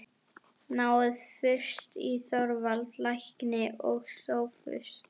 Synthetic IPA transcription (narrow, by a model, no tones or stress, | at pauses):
naːwɪðfʏr̥st̪isɔɾvalt̪lajhknɪʔɔɣsowfʏ̰st̪